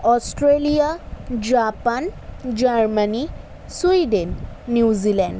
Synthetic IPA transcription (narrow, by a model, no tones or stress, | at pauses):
ɔstɹelijad͡ʒapand͡ʒaɹmani | swidenːiziland